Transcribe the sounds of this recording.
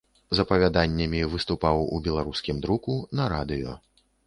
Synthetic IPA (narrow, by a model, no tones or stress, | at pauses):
zɐpɐvʲad̪anʲːɐmʲivɨst̪upawṵbʲɛlˠaɾuskʲimd̪ɾukunɐɾad̪ɨjɔ̰